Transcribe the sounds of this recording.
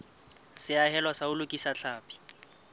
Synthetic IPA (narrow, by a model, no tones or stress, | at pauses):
sɪaɦɛlwasaʊlʊkʼisat͡ɬʰaːpʼi̥